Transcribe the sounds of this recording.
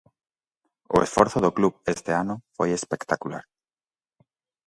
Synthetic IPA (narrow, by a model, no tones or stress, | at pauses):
o̰esfoɾθoðoklupest̪eanofojespekt̪akula̰ɾ